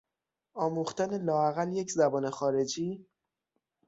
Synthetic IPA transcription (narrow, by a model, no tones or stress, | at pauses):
ɒːmuːxt̪æne̞lɒːæɣæljecʰzæbɒːne̞xɒːɾe̞d͡ʒiː